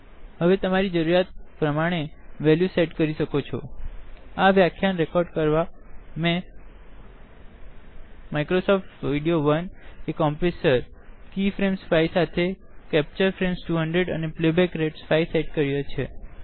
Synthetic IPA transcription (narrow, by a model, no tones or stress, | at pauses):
ɦəʋet̪əmaɾid͡ʒəɾuɾjat̪̚pɾəmaɽ̃eʋɛljuseʈkəɾiʃəkot͡ʃʰɔ̰ | aʋjakʰjanɾekɔɾɖkəɾʋamɛ̃ | majkɾosɔfʈʋiɖioʋənekɔmpesəɾkifɾemsfajsat̪ʰekɛp̚t͡ʃəɾfɾemsʈuɦəɳɖɾeɖəneplebɛkɾeʈsfajsejʈkəɾjot͡ʃʰe